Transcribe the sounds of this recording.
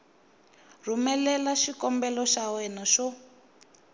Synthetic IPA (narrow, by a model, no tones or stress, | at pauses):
rumɛlɛlaʃikɔmbɛlɔʃawɛnaʃɔ